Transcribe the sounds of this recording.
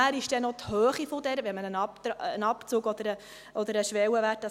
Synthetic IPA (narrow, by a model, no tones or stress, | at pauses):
æːɾɪʃd̥ɛnɔt̪høːχifɔd̪ɛɾʋɛmənənɑptənɑpt͡suːɡɔd̪əɾə | ʔɔd̪əɾəʃʋɛwəʋæːt̚ːɑ